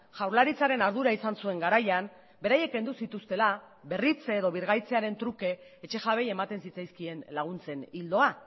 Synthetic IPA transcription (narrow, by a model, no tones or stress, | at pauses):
ʝawɾlaɾit͡saɾe̞naɾð̞uɾaisansue̞ŋɡaɾajan | be̞ɾaje̞k̚ːe̞nd̪usit̪ust̪e̞la | βe̞rit͡seeðo̞β̞iɾɣajt͡se̞aɾe̞nt̪ɾuke̞ːt͡ʃe̞ʝaβe̞je̞mat̪e̞nsit͡sajskie̞nlaɣ̞unt͡se̞nild̪o̞a